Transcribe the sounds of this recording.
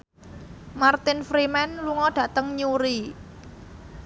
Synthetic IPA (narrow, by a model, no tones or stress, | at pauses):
mart̪ɪnfɾimɛnluŋɔɖ̥ä̤t̪əŋɲuɾi